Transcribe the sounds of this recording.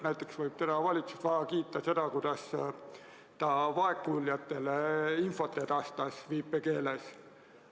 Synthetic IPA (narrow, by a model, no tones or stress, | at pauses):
næjt̪ːˑe̞ksvɤjb̥̚t̪ed̪ɑvɑlʲit̪su̥st̪vɑɡɑkiːt̪ːˑɑse̞d̪̥ɑkujd̪̥ɑs | t̪ɑvɑe̞kːˑulːjɑt̪ːˑe̞leinfo̞t̪ːˑed̪ɑst̪ɑsviːpːˑeke̞ːles